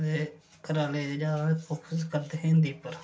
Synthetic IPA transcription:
d̪eː | kəɾaːleːd͡ʒaːɾaːekʰoːkʰəskəɾd̪eɦẽːnd̪iːpəɾ

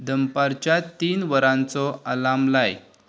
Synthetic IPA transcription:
d̪əmpaɾt͡ɕjat̪iːnʋəɾãnt͡sɔəlamlaj

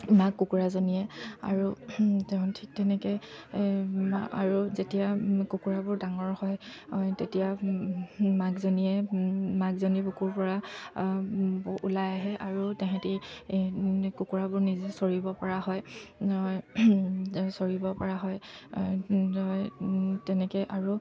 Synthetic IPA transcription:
makːukuɹazoniɛa̰ɹutɛʊ̃ntʰik̚tɛnɛkɛj | a̰ɹuzetijakukuɹabʊɹdaŋɔɹhɔjtetija | maɡzoniɛmaɡzonipukuɹpɔɹa | ṵlajaɦɛʔaɹutɛɦɛti | kukuɹabʊɹnizɛsoɹibɔpɔɹaɦɔjɔj | soɹibɔpɔɹaɦɔj | ɔjtɛnɛkɛʔaɹu

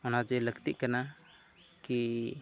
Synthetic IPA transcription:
ɔnad͡ʒɛləɡt̪iʔkana | ki

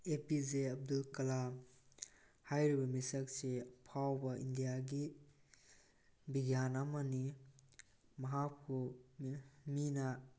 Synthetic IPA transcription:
epizeɐb̚dulkɐla | hajɾibɐmisɐk̚sepʰawbɐʔḭndijaɡi | biɡjanamɐni | mɐɦap̚kʰu | mina

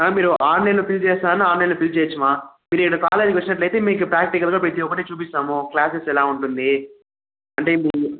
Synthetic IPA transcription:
aːmiːɾuʔaːɾneloːpilt͡ʃɛːst̪aːɐniaːɾnelopilt͡ʃeːt͡ʃːɐmaːmiːɾikːɐɽɐkaːle̞ːd͡ʒkʋɐt͡ʃːinɐʈlɐjt̪e̞ːmeːk̬upɾaːk̚ʈikɐlɡaːpɾet̪iɔkːɐʈeːt͡ʃuːpist̪aːmuklaːsesɛlaːuɳʈund̪i | ɐɳʈe̞ːmiː

